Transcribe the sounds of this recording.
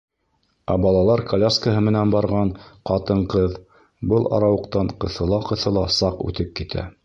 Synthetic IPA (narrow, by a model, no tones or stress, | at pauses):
æbɑlˠɑlˠɑɾkʰɐlʲaskəɦɤmɘ̆nænbɑɾʁɑɴqɑt̪ɤɴqɤð | bɤlˠʔɑ̰ɾɑwɤ̆qt̪ɑɴqɤ̆θɤ̆lˠɑqɤ̆θɤlˠɑsɑqʉ̰t̪ɘp̚kit̪ʰæ̰